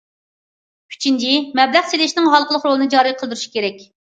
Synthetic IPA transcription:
pʲʰy̥t͡ʃʰind͡ʒimɛblæχselɪʃnɪŋɦɑlˠqəlˠəχɾolˠɨnɨd͡ʒɑːɾijqʰəlˠd̪yɾuʃi̥kʲʰeɾɛkʲ

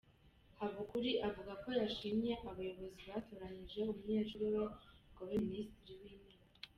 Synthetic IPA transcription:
haβukuɾiʔavuɡako̞jaʃimɲe̞ʔaβajo̞βo̞ziβatoːɾaɲiʒe̞umuɲeːʃoɾuɾoɡ̥aβiministiɾiwiːnema

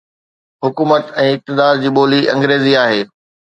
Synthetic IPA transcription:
ɦʊkuːmət̪ɛ̃ːɪk̚t̪ɪd̪aːɾd͡ʑiːɓoːliʔɐ̃ŋɡɾeːziaːɦeː

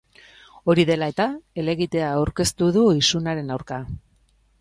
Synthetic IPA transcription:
o̞ɾiðe̞lae̞t̪ae̞le̞ɣit̪e̞aːwɾke̞st̪uð̞uisunaɾe̞nawɾka

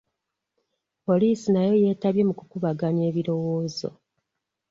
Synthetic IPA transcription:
po̞liːsinajo̞je̞ːtaβje̞mukukuβaɡaɲe̞ːβiɾo̞wo̞ːzo̞̰

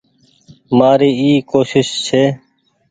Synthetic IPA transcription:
maːɾiːiːkoːʃɪʃt͡ʃʰeː

